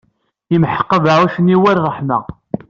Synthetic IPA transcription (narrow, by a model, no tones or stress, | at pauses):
imħə̥qːəðaʕæʃənːiwæɾʁˤəħmæ̰